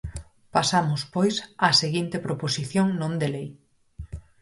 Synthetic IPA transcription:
pasamʊspojsaseɣint̪epɾoposiθjoŋnõnd̪elej

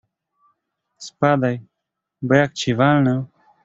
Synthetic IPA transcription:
spad̪aj | bəjak̚t͡ɕivalnəw

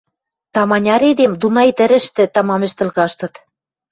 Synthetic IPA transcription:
t̪ɑmɑnʲɑɾed̪emd̪unɑjt̪ɘ̆ɾɘ̆ʃt̪ɘ̆t̪ɑmɑmɘ̆ʃt̪ɘ̆lɣɑʃt̪ɤ̆t̪

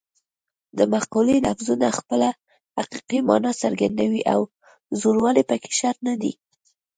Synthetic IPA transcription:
d̪əmaqulela̰fzunaxpəla | haqiqimɑ̰nɑsaɾɡand̪awiʔaw | zoɾwɑlepəke̥ʃaɾnad̪ḭ

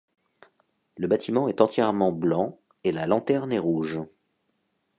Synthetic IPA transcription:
ləbat̪ʰimɑ̃ɛt̪ɑ̃t̪jɛʁmɑ̃blɑ̃ | elalɑ̃t̪ɛʁnɛʁuʒ

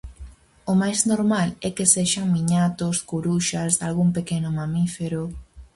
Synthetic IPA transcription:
omajznoɾmalɛkeseʃaŋmiɲat̪oskuɾuʃazðalɣuŋpekenʊmamifeɾo

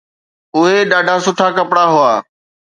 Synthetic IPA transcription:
ʊɦeɗaːɖʱaːsʊʈʰakəpɽaɦʊaː

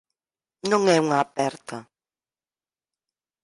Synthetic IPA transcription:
nõŋɛuŋaːpɛɾt̪a

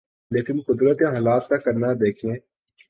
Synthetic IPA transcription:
leːkɪnqʊd̪ɾət̪ãɦɔːlaːt̪̚kakɐɾnad̪eːkʰẽː

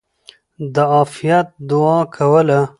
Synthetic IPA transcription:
d̪əɑfijat̪̚d̪ʊɑkʰawəla

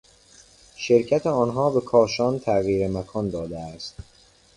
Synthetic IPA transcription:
ʃe̞ɾcʰæt̪ʰeɒːnɦɒːbe̞kʰɒːʃɒːnt̪ʰæɣiːɾemækʰɒːnd̪ɒːd̪eæst̪̚

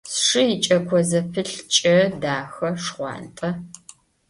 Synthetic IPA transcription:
sʂɨjɪt͡ʃʼɐkʷʰɔzɐpʰɨɬt͡ʃʼɐdaːxɐʂχʷɑ̰ːntʼɐ

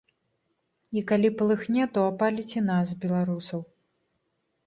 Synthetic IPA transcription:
ikalʲipɐlˠɨxnʲɛt̪ɔapalʲit͡sʲinazbʲɛlˠaɾusɐw

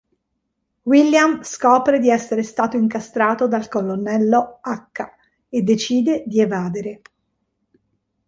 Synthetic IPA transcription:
wilːjamskɔːpɾed̪iɛsːeɾest̪aːt̪oiŋkast̪ɾaːt̪od̪alkolonːɛlːoakːa | ed̪ːet͡ʃiːd̪ed̪ievaːd̪eɾe

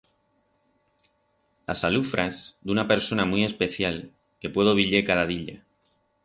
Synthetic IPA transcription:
la̰salufɾazd̪unape̞ɾso̞namwie̞spe̞θjal | ke̞pwe̞ð̞oβ̞iʎe̞kaðað̞iʎa

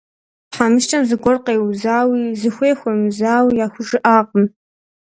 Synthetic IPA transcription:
ħamɨʃʈ͡ʂʰʼɐmzɨɡʷɔrqejwzaːwizɨxʷeːxʷomzaːwiaxʷʊʐɨʔaːqʼəm

